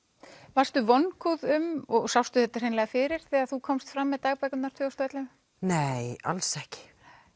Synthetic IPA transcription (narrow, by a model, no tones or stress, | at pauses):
var̥st̪ʏvɔnkʰuðʏmɔɣsawst̪ʏθɛt̪ːar̥eːjnlɛɣafɪːɾɪɾ̥θɛːɣaðθukʰɔmst̪fɾamːɛðt̪aːɣpɛkʏnnḁɾt̪ʰvʏɔst̪ɛt̪lɛ | neːja̰lsɛhcɪ̥